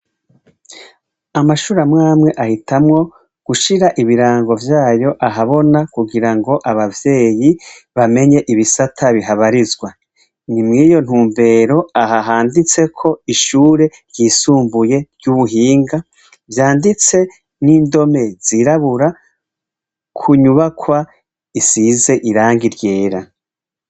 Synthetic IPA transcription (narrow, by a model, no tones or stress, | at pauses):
amaʃuːɾamŋaːmŋe̞ʔahitʰamŋo̞ | ɡ̥uʃiɾaʔiβiɾaːŋɡo̞vjaːjo̞ʔaɦaβo̞nakuɡiɾaŋɡo̞ʔaβavje̞ːjiβame̞ɲe̞ʔiβisatʰaβiɦaβaɾizɡwa | nimŋiːjo̞n̥huːmbe̞ːɾo̞aɦaɦaːndit͡se̞kʰo̞iʃuːɾe̞ɾjiːsuːmbuje̞ɾɟuβuɦiːŋɡa | vjaːndit͡se̞ | niːndo̞me̞z̥iɾaβuɾa | kʰuɲuβakwa | isize̞ʔiɾaːŋɡiɾje̞ːɾa